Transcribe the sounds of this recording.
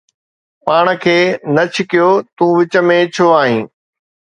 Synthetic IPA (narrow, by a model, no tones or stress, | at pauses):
paːɽ̃ə̆kʰeːnɐt͡ɕʰɪkijot̪ũːʋɪt͡ɕə̆mẽt͡ɕʰoaːɦĩː